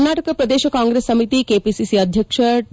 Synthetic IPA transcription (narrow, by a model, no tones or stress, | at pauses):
naːʈəkpɾɐd̪eːʃəkãːŋɡɾesːəmit̪ikepisisiəd̪ʱjəkʃə